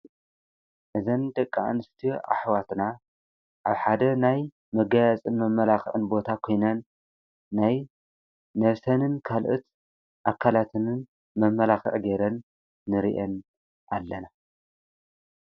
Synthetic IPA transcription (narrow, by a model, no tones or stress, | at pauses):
ʔɨzɐnd̪ɐkʼːaʕa̰nɨst̪ʰiʔa̰ħwat̪na | ʔaβħad̪ɐnaj | mɐɡajat͡sʼɨnmɐmːɐlaxʕɨnbo̞t̪ʰakʰo̞jnɐnː | aj | nɐβsɐnɨnkʰalʔut̪ | ʔakʰːalat̪ʰɨnɨn | mɐmɐlaxɨ̰ʕɡeɾɐnː | ɨɾḭʔɐn | ʔalːɐna